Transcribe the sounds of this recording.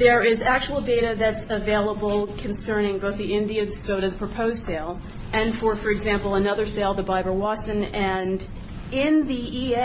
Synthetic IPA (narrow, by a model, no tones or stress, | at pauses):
ðə˞ɪzæk̚t͡ʃuwl̩ˠdeɪɾɨðɨtsɨveɪlˠəbl̩ˠkʰɨ̃n̩sɜ̃˞nɪ̃ŋboʊθðiɪ̃ndiɨsoʊɾɨðəpʰɹ̥ɨpʰoʊz̥seɪlˠ | ɨ̃nfə˞fə˞ɨɡzæ̃mpl̩ˠənʌðə˞seɪlˠðəbaɪbə˞wɑsɨ̃nɨ̃n | ɪ̃nðii